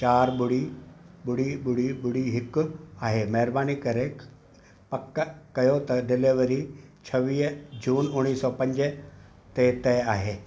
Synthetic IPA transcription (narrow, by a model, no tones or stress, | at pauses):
t͡ɕaːɾɓʊɽ̤i | ɓʊɽiɓʊɽ̤iɓʊɽ̤iɦɪkʊaːɦeːmɐɦɪɾbaːnikɐɾe | pɐkkɐjot̪ɐɖɪleʋɐɾit͡ɕʰɐʋiːɦd͡ʑuːnʊ̃iːsɔpɐ̃ɲd͡ʑ | t̪et̪ɛaːɦeː